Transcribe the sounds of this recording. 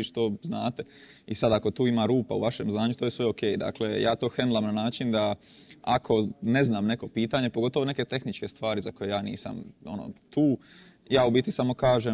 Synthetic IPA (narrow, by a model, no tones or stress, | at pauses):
iʃt̪oznaːt̪e̞ | isad̪ako̞t̪uːimaːɾuːpa̰ṵʋaʃe̞mznaːɲut̪ojesʋe̞o̞keːjd̪a̰klejaːt̪o̞ːxɾenulamnanaːt͡ʃind̪a | akʰo̞ne̞znaːmne̞ko̞piːt̪aɲepoɡo̞t̪oʋo̞ne̞ke̞t̪e̞xnit͡ʃke̞st̪ʋaːɾizako̞je̞jaːnḭːsa̰mo̞̰no̰t̪uː | jaːubit̪isamo̞kaːʒe